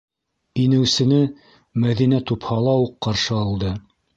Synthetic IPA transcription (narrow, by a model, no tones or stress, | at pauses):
inɘ̆wsɘ̆nɘ | mæðinæt̪uphɑlˠɑuqːɑɾʃɤɑlˠd̪ɤ